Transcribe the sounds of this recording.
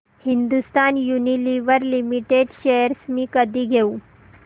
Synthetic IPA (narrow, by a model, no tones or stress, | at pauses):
hind̪ust̪anjuniliʋəɾlimiʈeɖɕejəɾsmiːkəd̪iːɡʱeu